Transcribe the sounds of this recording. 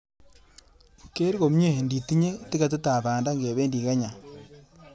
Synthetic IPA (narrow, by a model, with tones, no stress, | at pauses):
ke˦ɾko˨m˦ɲe˦˨ndi˨ti˦ɲe˦ti˦ka˨t̬u˦ta˨baː˨nda˦ŋɡe˨βe˦ndi˨ka˦ɲa˨